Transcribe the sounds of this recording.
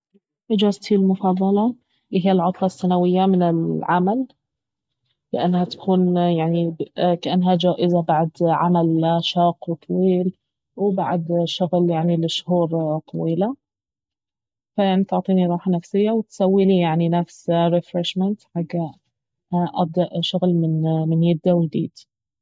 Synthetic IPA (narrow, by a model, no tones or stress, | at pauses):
ʔɪd͡ʒaːzt̪ʰilmʊfɑðˤːɑlɑ | ɪɦɪjːalʕʊt̪ˤlɑsːanawɪjːamɪnɪlʕamal | ɪʔanːhat̪ḁkʰuːnjaʕnikaʔanːɦad͡ʒaːʔɪzabaʕd̪ʕa̰malʃɑːqwt̪ˤʰɑwiːl | wɪbaʕd̪ʃʊɣljaʕnilɪʃhuːɾˤt̪ˤːɑwiːla | fajaʕnit̪ʊʕt̪ˤiːniɾˤɑːħanafsɪjːawɪt̪sawːilijaʕninafsɾɪfɾɪʃmɪnt̪ħaɡːa | ʔab̚d̪aʔʃʊɣlmɪnmɪnjɪd̪ːawɪjd̪ḭːd̪̥